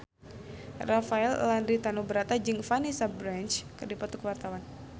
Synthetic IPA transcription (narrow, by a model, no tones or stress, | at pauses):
rafaɛlːandɾit̪anubəɾat̪ad͡ʒɨŋfanisabɾant͡ʃkərdipɔt̪ukəwart̪awan